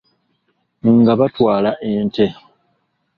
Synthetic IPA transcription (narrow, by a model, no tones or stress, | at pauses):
ŋɡaβatwaːlaʔeːnte̞